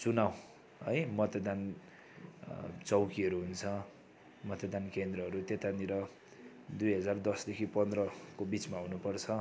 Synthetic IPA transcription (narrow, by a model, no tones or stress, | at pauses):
t͡sunaw | ʌjmʌt̪ad̪an | t͡sʌwkiʌɾuɦunt͡sʰʌ | mʌt̪ad̪ankend̪rʌɦʌɾut̪et̪aniɾʌ | d̪ujɦʌd͡zard̪ʌsd̪ekʰipʌnd̪rʌkobit͡smaɦunupʌrt͡sʰʌ